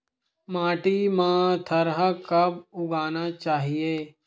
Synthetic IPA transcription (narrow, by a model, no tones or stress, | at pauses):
mãːʈimãt̪ʰɐɾɦəkɐbʊɡaːnat͡ʃaːɦijeː